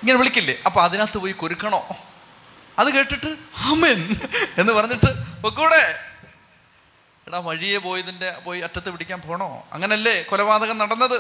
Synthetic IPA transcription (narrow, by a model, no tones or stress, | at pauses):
iŋːɐneʋiɭikʲːilːeɐpːɐːɐðinaːt̪ːɨpoːjikoɾukːɐɳo̞ː | ɐðɨke̞ːʈːiʈːɨaːmene̞nːɨpɐrɐɲːiʈːɨokːuːɽe | iɽaːʋɐɻijepo̞ːjɐðinde̞po̞ːjiɐtːɐt̪ːepiɽikʲːaːnpoːjɐɳo̰ːɐ̰ŋːɐneɐlːekolɐbaːd̪ɐɣɐmnɐɽɐnːɐðɨ